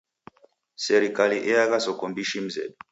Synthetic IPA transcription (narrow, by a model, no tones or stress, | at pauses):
sɛɾikaliʔɛaɣasɔkɔmbiʃim̩zɛ̰ɗɔ